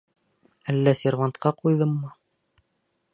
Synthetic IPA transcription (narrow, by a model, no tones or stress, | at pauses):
ælːæsʲeɾvɑnt̪qɑqujðɤmːɤ